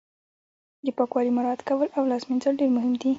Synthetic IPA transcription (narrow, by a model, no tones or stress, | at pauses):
d̪əpɑkwɑɾimaɾɑd̪kawəlawlɑzminzəlɖeɾmʊɦɪmd̪i